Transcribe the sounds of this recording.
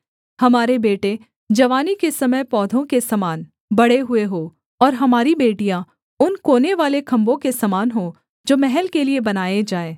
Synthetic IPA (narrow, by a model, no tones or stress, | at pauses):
hɐmaːɾebeːʈe | d͡ʒɐʋaːnikesɐməjpɔːd̪ʱõkesɐmaːn | bɐɽeɦʊeɦoː | ɔːɾɦɐmaːɾibeːʈijã | ʊnkoːneʋaːlekʰɐ̃mbõkesɐmaːnɦõ | d͡ʒoːmɛɦɛlkeliebɐnaːjed͡ʒaːeː